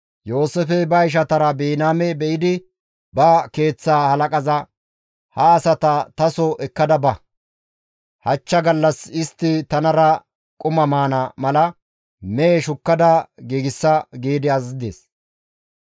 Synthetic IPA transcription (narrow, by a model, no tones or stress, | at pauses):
jo̞ːsɛfɛbɐjɪʃ̬ɐt̪ɐɾɐbeːnaːmɛbɛʔɪd̪ɪ | bɐke̞ːt͡sːaːhɐlɐkʼɐzɐ | hɐːsɐt̪ɐt̪ɐsɔʔɛkːɐd̪ɐbɐ | hɐt͡ʃːɐɡɐlːɐsɪst̪ːɪt̪ɐnɐɾɐ | kʼʊmɐmaːnɐmɐlɐ | mɛːʃʊkːɐd̪ɐɡiːɡɪsːɐɡiːd̪ɪɐzd̪ḛːs